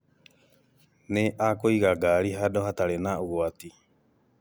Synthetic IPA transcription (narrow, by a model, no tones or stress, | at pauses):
neʔaːkoiɣaɡaɾiɦadohat̪aɾenaoɣoat̪i